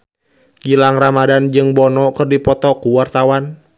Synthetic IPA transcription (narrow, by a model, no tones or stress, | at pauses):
ɡilaŋramadand͡ʒɨŋbɔnɔkɨrdipɔt̪ɔkuwart̪awan